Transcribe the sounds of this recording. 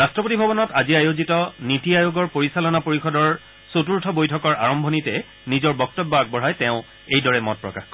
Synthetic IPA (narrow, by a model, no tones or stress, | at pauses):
ɹastɹɔpotibʱɔbɔnɔtaziajozitɔnitiajoɡɔɹpoɹisalɔnapoɹixɔdɔɹ | sotuɹtʰɔbojtʰɔkɔɹa̰ɹɔmbʱɔnitɛ | nizɔɹbɔk̚tɔbːɔaɡ̚bɔɹajtɛ̃ʊ̃ | ejdɔɹɛmɔt̚pɹɔkaxkɔ